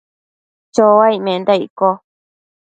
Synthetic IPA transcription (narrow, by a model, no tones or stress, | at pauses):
t͡ʃoaimẽnd̪aiko